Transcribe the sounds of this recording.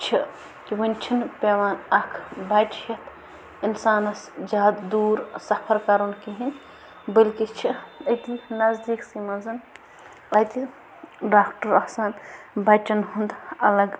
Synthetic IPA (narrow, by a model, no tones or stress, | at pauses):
t͡ʃʰi | kiwɐnʲt͡ʃʰinpeːʋaːnɐkʰbɐjʈjɐt̪ʰ | insaːnɐsd͡ʒaːd̪d̪uːɾsɐpʰɐɾkɐɾonkiɦin | bɐlkit͡ʃʰiɐjt̪inɐzd̪iːksimɐzɐn | ɐjt̪i | ɖaːkʈɐɾɐhsanbɐjt͡ʃɐnɦund̪ɐlɐɡ